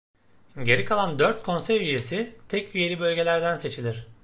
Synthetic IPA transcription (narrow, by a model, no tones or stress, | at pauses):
ɟe̞ɾikʰalˠand̪øɾt̪̚kʰo̞nsɛɾyje̞sit̪ʰɛcyje̞lʲibø̞lʲɟe̞lʲæɾd̪ænse̞t͡ʃʰilʲiɾ̝̥